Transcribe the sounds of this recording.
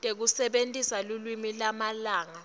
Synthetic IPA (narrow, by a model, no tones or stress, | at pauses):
tʼek̬usɛɓentʼisalulwimilamalaːŋa